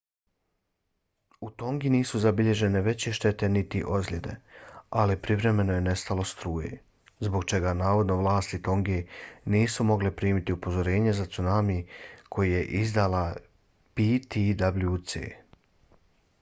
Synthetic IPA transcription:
ut̪o̞ŋɡiniːsuzabiʎe̞ʒe̞ne̞ʋe̞t͡ɕeʃt̪e̞t̪e̞nit̪iʔo̞zlʲed̪e̞̰alipɾiʋɾe̞me̞noje̞ne̞st̪alo̞st̪ɾuːjḛ | zbo̞ɡt͡ʃe̞ɡanaːʋo̞d̪no̞ʋlˠaːst̪it̪o̞ŋɡeniːsumo̞ɡlepɾiːmit̪iupo̞zo̞ɾe̞ːɲezat̪sunamikʰo̞jije̞ʔizd̪ala | pit̪id̪abljut̪sḛː

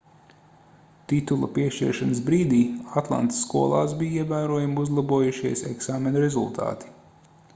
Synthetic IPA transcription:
t̪it̪ulˠɐpiɛʃt͡ʃḭɾʃanəsbɾiːd̪iːat̪lˠa̰nt̪sːkuɔlˠa̰ːsbijiɛvæːɾuɔjamuzlˠabuɔjuʃiɛsɛ̰ksaːmenɐɾezṵlˠt̪ʰa̰ːt̪i̥

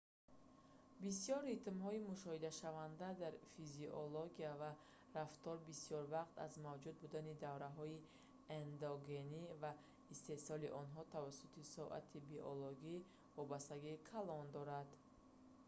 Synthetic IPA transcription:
bisijɔɾːit̪mɦɔimuʃɔhid̪aʃavand̪ad̪aɾfiziʔoloɡiava | ɾaft̪ɔɾbisijɔɾvaqt̪a̰zmavd͡ʒud̪̚bud̪anid̪avɾaɦɔi | end̪oɡe̞niva | ist̪e̞sɔliʔɔnɦɔt̪ʰavasut̪ʰisɔʔa̰t̪ʰibiʔoloɡi | vɔbast̪aɡikʰalɔnd̪ɔɾad̪

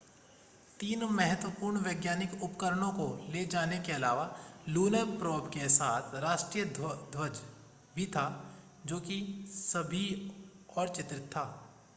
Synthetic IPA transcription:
t̪iːnmɛɦət̪wəpuːɾɳʋəːɡjaːnɪkʊpkəɾəɽ̃õkoled͡ʒaːnekeɐlaːʋaluːnəpɾoːbkesaːt̪ʰɾaːʃʈɾijəd̪ʱwəd͡ʒ | bʱit̪ʰa | d͡ʒoːkisɐbʱi | ɔːɾt͡ʃɪt̪ɾɪt̪ʰːaː

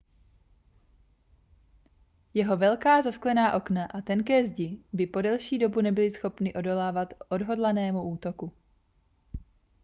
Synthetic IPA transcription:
jɛɦo̞vɛlkaːzasklɛnaːʔo̞knaʔat̪ɛnkɛːzɟɪbɪpo̞dɛlʃiːdo̞bunɛbɪlɪsxo̞pnɪʔo̞do̞laːvat̪ʔo̞dɦo̞dlanɛːmuʔuːt̪o̞ku

